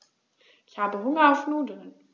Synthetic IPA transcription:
ɪçhaːbəɦʊŋɐfnuːdl̩n

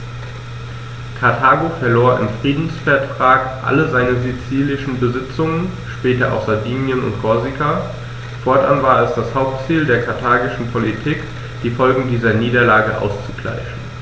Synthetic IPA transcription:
kʰaɐtʰaːɡofɛɐloːɐʔɪ̰mfʁ̥iːdn̩sfɛɐtʁ̥aːkʔa̰ləzaɪnəzit͡siːlɪʃn̩bəzɪt͡sʊŋən | ʃpɛːtɐʔa̰ʊxz̥aɐdiːnjənʊ̰ntkʰɔɐzikʰa | fɔɐtʔanvaːɐɛsd̥ashaʊp̚tt͡siːldeːɐkʰaɐtʰaːɡɪʃn̩pʰolitʰiːk | d̥iːfɔlɡŋ̩diːzɐniːdɐlaːɡəʔa̰ʊst͡suɡla̰ɪʃn̩

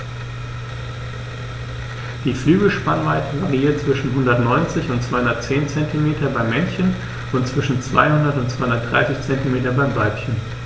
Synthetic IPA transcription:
d̥iːflyːɡl̩ʃpanvaɪtʰəvaʁiiːɐtt͡sv̥ɪʃn̩ɦʊndɐtnɔʏnt͡sɪçʊntt͡sv̥aɪhʊndɐtt͡seːnt͡sɛntʰimeːtɐbaɪmːɛnçən | ʊntt͡sv̥ɪʃn̩t͡sv̥a̰ɪhʊndɐtʊntt͡ssv̥aɪhʊndɐt̚d̥ʁa̰ɪsɪçt͡sɛntimeːtɐbaɪmvaɪpçən

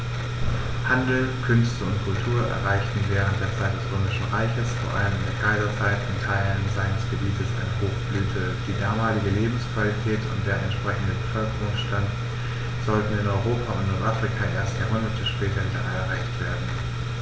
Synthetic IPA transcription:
handl̩kʰʏnstəʊntkʰʊltʰuːɐʔɛ̰ɐʁaɪçtn̩vɛːʁ̞əntd̥eːɐt͡saɪt̚d̥ɛsʁøːmɪʃn̩ʁaɪçəsfoːɐʔa̰ləmɪndeːɐkʰaɪzɐt͡saɪtɪntʰaɪlənzaɪnəsɡ̥əbiːtəsa̰ɪnəhoːxb̥lyːtʰə | d̥iːdaːmaːlɪɡəleːbm̩skv̥alitʰɛːtʊ̰nt̚d̥eːɐɛ̰ntʃpʁ̥ɛçn̩dəbəfœlkəʁʊŋsʃtant | z̥ɔltn̩ɪnɔʏʁoːpʰaʊ̰ntnɔɐtʔaːfʁ̥ikʰaʔeːɐstaɐmʊnatʰəʃpɛːtʰɐviːdɐaɛɐʁaɪçtv̥eːɐdn̩n

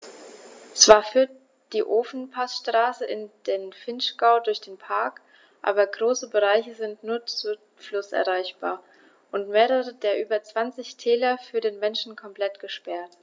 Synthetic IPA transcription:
t͡sv̥aːɐfyːɐt̚ | d̥iːʔoːfn̩pʰasʃtʁ̥aːsəʔɪnd̥eːnfɪnʃɡ̥aʊdʊɐçd̥eːnpʰaɐk | ʔa̰ːbɐɡʁoːsəbəʁaɪçəzɪntnuːɐt͡su | flʊsʔɛ̰ɐʁaɪçb̥a̰ːɐ | ʔʊntmeːʁəʁədeːɐʔyːbɐt͡sv̥ant͡sɪçtʰɛːlɐfyːɐɾeːnmɛnʃn̩kʰɔmpl̥ɛtɡ̥əʃpɛɐt

